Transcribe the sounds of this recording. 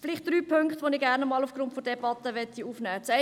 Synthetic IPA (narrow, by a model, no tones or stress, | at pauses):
fɪlɪχt̚d̥ɾyːpʰʏŋkχtʋonɪɡæɾnəmɑːlufɡ̥rʊntfod̥ɛbɑtəʋɛtːiuːfnɛːt͡sɛ